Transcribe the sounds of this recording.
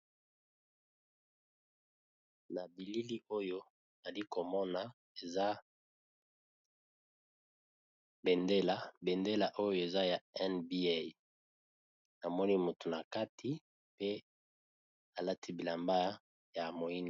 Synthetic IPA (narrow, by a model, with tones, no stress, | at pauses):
na˨bi˨li˦li˦ʔo˦jo˦ | na˨li˦ko˨mɔ˦na˨ | e˨za˦ | be˨nde˦la˨be˨nde˦la˨ʔo˦jo˦e˨za˦ja˨ɛ˦nbi˦a˦˨ | na˨mɔ˦ni˦mo˨tu˨na˨ka˦tʰi˦ | pe˦ | a˨la˦tʰi˦bi˨la˨mba˦ | ja˨mo˨i˦na˨